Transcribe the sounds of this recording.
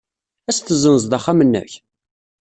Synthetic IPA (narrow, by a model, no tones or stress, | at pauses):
æst̪əzənəzd̪ɑχamənːæ̰ç